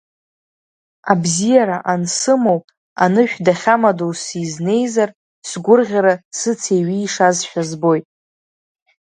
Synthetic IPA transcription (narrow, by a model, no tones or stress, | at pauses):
abzijaɾaʔansɨmo̞wpʼ | a̰nɨʃᶣdaχʲamadowsizne̞jzar | sɡʷʊrʁʲaɾasɨt͡sʰeɥiːʂazʃᶣazbo̞jtʼ